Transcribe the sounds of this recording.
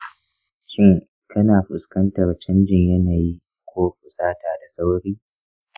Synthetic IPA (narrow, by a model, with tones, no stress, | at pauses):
ʃʲɪ˦ŋ | kʰɐ˦naː˨ɸʊ˨skɐ˦ntɐ˨rt͡ʃɐ˦nd͡ʒɪ˨ɲjɐ˦naː˨ji˦ | kʷʰoː˦ɸʊ˨saː˦taː˨da˨sa˦wɽiː˦